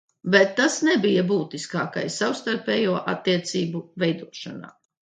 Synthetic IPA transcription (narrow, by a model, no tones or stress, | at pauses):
bɛt̪ːasnɛbijabuːt̪iskaːka̰jsawst̪aɾpɛːjuɔʔat̪ːiɛt̪siːbuvɛjd̪uɔʃana̰ː